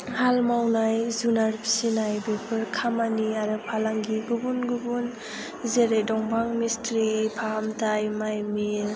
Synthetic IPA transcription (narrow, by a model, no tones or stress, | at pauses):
halmawnajzunaɾpʰi̥sinajbepʰɯɾkʰamaniaɾɯpʰalaŋɡiɡubunɡubun | zeɾejdɔŋbaŋmistɾipʰaɦamtʰajmajmiɾ